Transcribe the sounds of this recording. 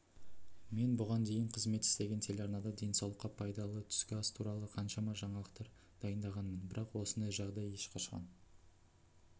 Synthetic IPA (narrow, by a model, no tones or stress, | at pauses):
me̞nbʊʁɑnd̪e̞jɪɴqʰəzme̞t̪ɪst̪e̞ɡʲent̪ʰe̞lʲɑɾnɑd̪ɑd̪e̞nsɑwlˠəqːɑpʰɑjd̪ɑlˠət̪ʰʏ̥skʲɪɑst̪ʰuɾɑlˠəqʰɑnʃɑmɑʒɑɴɑlˠəq̚t̪ɑɾ | d̪̥ɑjənd̪ɑʁɑnmənbɪɾɑqwo̞sənd̪ɑjʒɑʁd̪ɑjeʃqʰɑʃqɑ̰n